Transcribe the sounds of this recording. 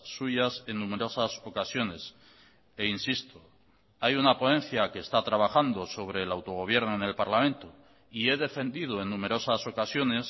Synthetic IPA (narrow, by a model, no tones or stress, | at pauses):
suʝase̞nːũme̞ɾo̞saso̞kasjo̞ne̞s | einsist̪o | ajunapo̞nẽ̞nθjakeːst̪at̪ɾaβaxand̪o̞so̞β̞ɾe̞ːlawt̪o̞ɣo̞β̞je̞ɾnoene̞lpaɾlamẽ̞nt̪o | ie̞ðe̞fe̞nd̪ið̞o̞e̞nːũme̞ɾo̞saso̞kasjo̞ne̞s